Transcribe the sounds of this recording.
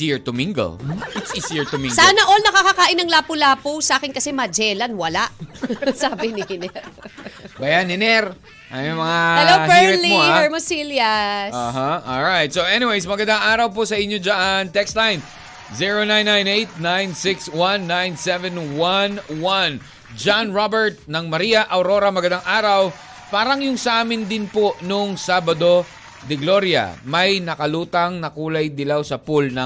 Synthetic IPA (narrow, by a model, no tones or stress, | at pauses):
iɹt̪ʊmiŋɡɐ̰lʔɪt̪sɪsɪɹt̪ʊmĩŋsaːnɐʔolnɐkakakaːʔɪnɐŋlaːpʊlaːpusʔaːkɪnkɐsɛmɐd͡ʒɛlɐnwɐlaʔsaːbɪnɪhɪnɛɾbɐjanhɪnɛɾ | ʔɐjomɐŋahɛlowhbɛɾlimohaɛɹmɐsiljɐsoɦaʔɔlɹajt̪̚sowʔɛniwejsmɐɡɐnd̪aŋaːɾɐwp̬osɐʔɪɲod͡ʒaʔɐŋt̪ɛkst̪lajn | ziɹonãjnːãjnejt̪̚nãjnsɪkswãnːãjnsɛvɛ̃nwanwan | d͡ʒanɹabɛɹt̪̚nɐŋmɐɾiːɐʔɐwɾo̞ɾɐmɐɡɐnd̪aŋʔaːɾɐw | paːɾɐŋjʊŋsɐʔaːmɪnd̪ɪnpoʔnoŋsaːbɐd̪o̞ | d̪ɪɡlo̞ɾjɐ̰mɐjnɐkɐluːt̪ɐŋnɐkuːlɐjd̪ɪlawsɐpʊlnɐ